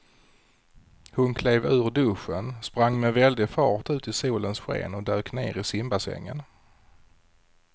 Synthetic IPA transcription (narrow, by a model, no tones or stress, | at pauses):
hʊnkʰleːvʉ̟ːɾɖɵɧənspɾaŋːmɛvɛld̪ɪfɑːʈʉ̟ːt̪ɪsuːlənsɧḛːnɔd̪øːknḛːɾɪsɪmbasɛ̰ŋːə̰n